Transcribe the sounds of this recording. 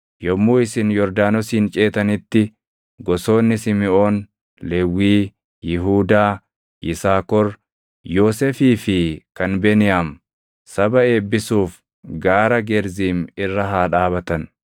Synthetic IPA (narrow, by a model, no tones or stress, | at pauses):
jɔmːuːɪsɪnjɔɾd̪aːnɔsiːnt͡ʃʼe̞ːt̪ɐnɪt̪ːɪ | ɡɔso̞ːnːɪsɪmɪʔo̞ːn | leːwːiː | jɪɦuːd̪aː | ʔɪsaːkɔɾ | jo̞ːsefiːfɪkɐnbɛnɪjaːm | sɐbɐe̞ːbːɪsuːf | ɡaːɾɐɡɛɾziːmɪrːɐɦaːᶑaːβɐt̪ɐn